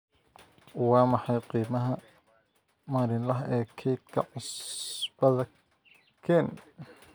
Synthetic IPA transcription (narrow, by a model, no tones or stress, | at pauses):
wɑːmɑħɑjqiːmɐɦɐ | maːɾɪnlɐɦʔɛːkʰɛjt̪̚kʰɐ̰ʕʊsb̥ɐðɐ | kʰɛːn